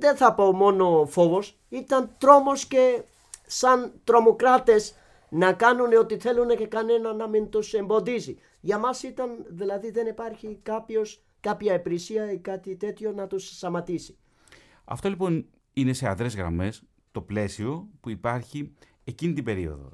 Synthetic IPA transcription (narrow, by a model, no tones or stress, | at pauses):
ðe̞nθɐpomo̞no̞fo̞vo̞s | it̪ɐnt̪ɾo̞mo̞sce̞ | sɐnt̪ɾo̞mo̞kɾɐt̪e̞s | nɐkɐnuneo̞t̪iθe̞lune̞ce̞kɐne̞nɐnɐmint̪use̞mbo̞ðisi | ʝɐmɐsit̪ɐnðilɐðiðe̞nipɐɾçikɐpço̞s | kɐpçɐepɾisiɐikɐt̪it̪e̞t̪ço̞nɐt̪usst̪ɐmɐt̪isi̥ | ɐ̰ft̪o̞lipo̞n | ine̞se̞ɐ̰nðɾe̞zɣɾɐ̰me̞s | t̪o̞ple̞sio̞puipɐɾçi | ecinit̪ibe̞ɾio̞̰ðo̞̰